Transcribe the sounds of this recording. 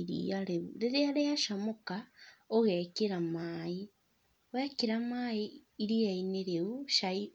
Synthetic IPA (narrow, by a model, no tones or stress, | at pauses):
ɾḭaɾeɾeɾeaɾeaʃamokaoɣekeɾamaːi | wekeɾamaːiːɾiaineɾeuʃai